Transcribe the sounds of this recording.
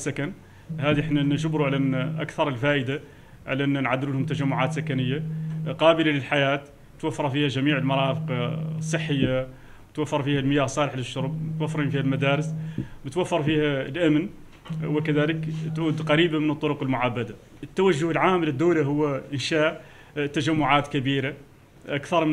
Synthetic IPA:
sːækæn | hæd̪iʔəħnænʃʊbɾuʕalæʔnːʔæ̰kθɑɾˤəlfæʔəd̪a | ʕalæʔənːænʕad̪ːɪlulhʊmt̪æʒæmːʊʕat̪sækænəjːaqɑbəlaləlħajaːt̪ | ət̪wafːɑɾˤfihæʒæmiːʕəlmɑɾˤɑfəqɑsˤːəħːəjːa | ət̪wafːɑɾˤfihælməjahsˤɑləħləʃːʊɾˤb̚mət̪wæfːɾinfihælmæd̪æɾəsbət̪wafːɑɾˤfihælʔæmn | wəkæd̪æləkt̪ʕuːd̪qɑɾibamənət̪ˤːoɾʊqəlmʊʕabːad̪a | ət̪ːæwæʒːʊhəlʕaːmləd̪ːuwlaɦʊwːʔənʃaʔ | t̪ːæʒæmːʊʕaːt̪kæbiɾa | ʔakθɑɾˤm

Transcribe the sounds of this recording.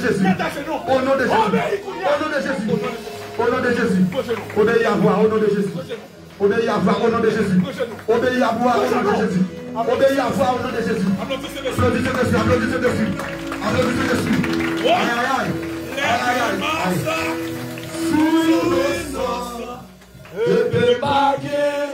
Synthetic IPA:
ʃesionɔ̃deʃesionɔ̃deʃesi | onɔ̃deʃesiobejiavuaonɔ̃deʃesi | obejiavuaonɔ̃deʃes̬iobejiabuaonɔ̃deʃes̬i | obejiavuaonɔ̃deʃesiblodit͡ʃedesiablodit͡ʃedesi | ablodit͡ʃedesiajajajiajajaiaji | suilosa | epe

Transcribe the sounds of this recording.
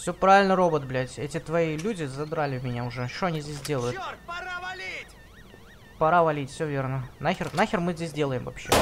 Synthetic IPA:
fsʲɵpɾavʲɪlʲnəɾo̞bət̪blʲætʲɛtʲɪt̪vɐilʲudʲɪzɐd̪ɾalʲɪvmʲɪnʲaʊʐɛʂt̪oɐnʲizʲdʲes̬ʲdʲe̞lˠəjʊt̪ | pɐɾavɐlʲitʲfsʲovʲe̞rnənaxʲɪrnaxʲɪrmɨzʲdʲes̬ʲdʲe̞lˠəjɪmvɐ̰pɕːḛ

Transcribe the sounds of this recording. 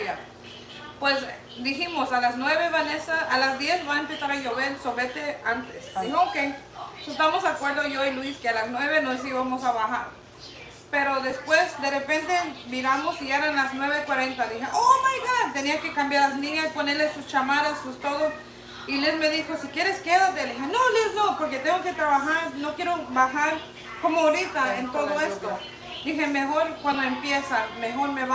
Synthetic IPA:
a | pwes | d̪iximosalasnwe̞βeβanesaalazd̪je̞sβaempesaɾaʝoβeɾsomet̪eant̪esihokesest̪amozðakwe̞ɾðoʝoilwiskealaznwe̞βe̞nos̬iβamosaβaxaɾ | peɾoðespwesd̪erepe̞nt̪emiɾamosiaɾanlasnweβekwaɾent̪adixeʔomajɣant̪eniake̞kambjaɾlasnĩɲasponeɾlesːust͡ʃamaɾasust̪oðos | ilesme̞ðixosikjeɾeskeðat̪elixenolisnopoɾket̪eŋɡoke̞t̪ɾaβaxaɾnokjeɾobaxaɾ | komooɾit̪aent̪oðoest̪o | d̪ixemexoɾkwand̪oempjesamexoɾmeβa

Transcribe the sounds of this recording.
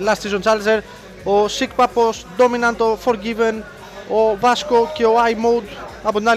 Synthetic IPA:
last̪izonsals̬eɾ | osikpaposd̪ominãnt̪ofoɾɡiven | ovaskokioajmowd̪abund̪a

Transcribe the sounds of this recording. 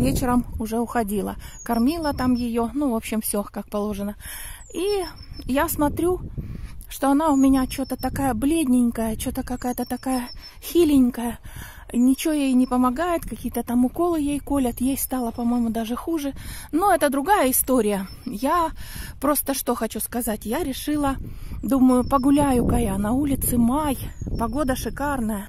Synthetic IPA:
vʲet͡ɕɪɾəmʊʐɛʊxɐdʲilˠə̰kɐrmʲilˠət̪amjɪjo̞nuvo̞pɕːɪmfsʲokak̚pɐlˠo̞ʐɨnə | ijasmɐt̪ɾʲu | ʂt̪o̞ɐnaʊmʲɪnʲat͡ɕot̪ət̪ɐkajəblʲedʲnʲɪnʲkəjət͡ɕot̪əkɐkajət̪ət̪ɐkajə | xʲilʲɪnʲkəjə | nʲɪt͡ɕɪojejnʲɪpəmɐɡajɪt̪kɐkʲijət̪ət̪amʊko̞lˠɨjejko̞lʲət̪jejst̪ɑlˠəpɐmo̞jmʊd̪aʐɨxuʐɨnoɛt̪əd̪ɾʊɡajəɪst̪o̞ɾʲɪjə | japɾo̞st̪əʂt̪o̞xɐt͡ɕuskɐzatʲjaɾʲɪʂɨlˠəd̪uməjʊpəɡʊlʲæjʊkɐjanɐulʲɪt̪sɨmajpɐɡo̞d̪əʂɨkarnəjə

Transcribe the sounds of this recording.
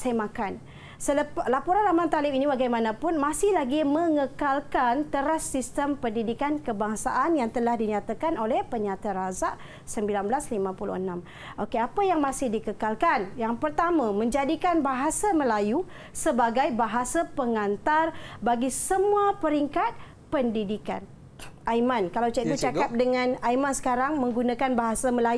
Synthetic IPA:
sajmãkan | sələplapoɾanlamant̪alɪpiniwaɡajmãnãpʊnmãsɪhlaɡimə̃ŋəkalkant̪əɾasːist̪əmpəndidikankəbaŋsa̰ʔanjaŋt̪əlahdiɲãt̪akanolɛhpəɲãt̪aɾazaʔ | səmbilanbəlaslimãpulṵənãm | ʔokeapajaŋmãsɪhdikəkalkanjaŋpərt̪amãmə̃ɲd͡ʒadikanbaɦasaməlaju | səbaɡajbaɦasapəŋant̪arbaɡisəmũapəɾiŋkat̪̚ | pəndidika̰n | ʔajmãnkalawt͡ʃait̪ut͡ʃakap̚dəŋãnajmãnsə̥kaɾaŋmə̃ŋɡunãkanbaɦasaməlaju

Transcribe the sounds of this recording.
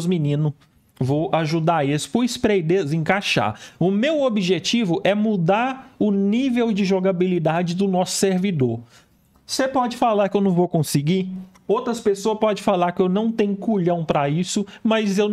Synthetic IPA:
zminĩnʊ | vowaʒud̪aesʊ̥pʊispɾejd̪ezẽkaʃa̰ɾʊmewobiʒet͡ʃivʊʔɛmud̪aɾʊnivewd͡ʒɪʒoɡabilid̪ad͡ʒɪd̪ʊnɔsʊ̥seɾvid̪oɾ | sepɔd͡ʒɪfalaɾkɪewnɐ̃w̃vowkõsɪɡi | owt̪ɾɐspesoɐspɔd͡ʒẽfalaɾkɪewnɐ̃w̃t̪ẽɲʊkuʎɐ̃w̃pɾɐisʊmɐzew

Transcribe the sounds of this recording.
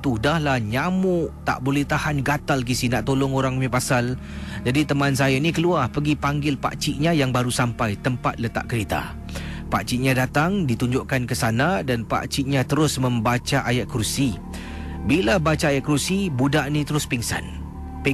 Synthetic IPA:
t̪udahlahɲamʊʔt̪a̰ʔbolɛht̪ahanɡat̪alkisinaʔt̪olʊŋoɾaŋmipasal | d͡ʒadit̪əmansajanikəluahpəɡipaŋɡɪlpa̰ʔt͡ʃiʔɲãjaŋbaɾusampajt̪əmpat̪̚lət̪a̰ʔkəɾit̪a̰ | pa̰ʔt͡ʃiʔɲãdat̪aŋdit̪uɲd͡ʒʊʔkankəsanadanpa̰ʔt͡ʃiʔɲat̪əɾʊsmə̃mbat͡ʃaʔajaʔ̪̚kɾusi | bilabat͡ʃaːjaʔ̚kɾusibudaʔnĩt̪əɾʊspiŋsa̰n | p

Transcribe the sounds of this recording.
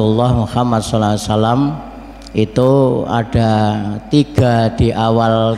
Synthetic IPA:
ulːɑhmuhamat̪̚sɔlaasalam | ʔit̪ua̰ɖ̥a̤t̪iɡ̥a̤d̥i̤ʔawal

